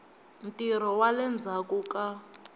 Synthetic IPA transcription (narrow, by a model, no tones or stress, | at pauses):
m̩tʼiɾ̤ɔwalɛnd͡zʱakuka